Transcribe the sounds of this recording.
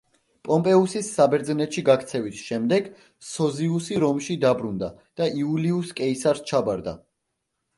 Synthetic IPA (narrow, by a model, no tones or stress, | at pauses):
pʼɔmpʼɛusisːabɛɾd̪znɛt̪ʃiɡakʰt̪sʰɛvisʃɛmd̪ɛɡ | sɔziusiɾɔmʃid̪abɾund̪ad̪̥aiuliuskʼɛisaɾst͡ʃʰabaɾd̪a̰